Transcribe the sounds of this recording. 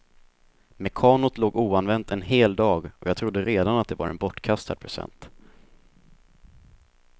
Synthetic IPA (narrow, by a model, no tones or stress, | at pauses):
mɛkʰɑːnʊt̪loːɡuːanvɛnt̪ɛnheːld̪ɑːɡɔjɑːɡt̪ʰɾʊd̪ːəɾeːd̪anat̪̚d̪ɛva̰ɾɛ̰nbɔʈːkʰast̪a̰d̪̚pʰɾɛsɛ̰nt̪